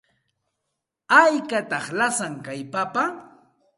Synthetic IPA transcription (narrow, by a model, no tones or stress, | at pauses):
ajkat̪ɑχlasaŋkajpapa